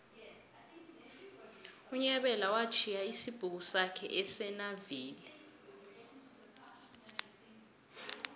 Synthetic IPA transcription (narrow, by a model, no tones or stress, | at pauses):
uɲɛɓɛlawat͡ʃʰijaisib̥ʱuk̬usakʰɛ̰ʔɛsɛnaviːlɛ